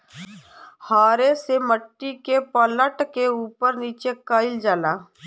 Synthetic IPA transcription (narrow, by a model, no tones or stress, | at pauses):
haːɾeseməʈːikepələʈkeuːpəɾniːt͡ʃekəɪld͡ʒaːlaː